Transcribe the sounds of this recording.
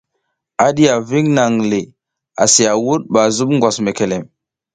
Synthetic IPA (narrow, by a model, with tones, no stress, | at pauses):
a˨ɗi˦a˨vi˦ŋna˨ŋli˨ | a˨si˨ja˨wu˦ɗ̚ba˨zu˦ɓŋɡʷwa˨sme˨ke˨le˨m